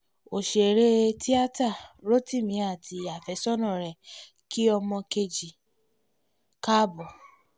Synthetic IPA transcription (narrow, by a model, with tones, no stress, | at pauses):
o˨ʃe˨ɾe˦ti˦a˦ta˦˨ɾo˦ti˦˨mĩ˨˦a˦˨tʰi˧a˨fɛ˨˦sɔ˦nɔ̃˦˨ɾɛ˨ | ki˦ɔ˧mɔ̃˧ke˧d͡ʒi˨ | ka˦bɔ˨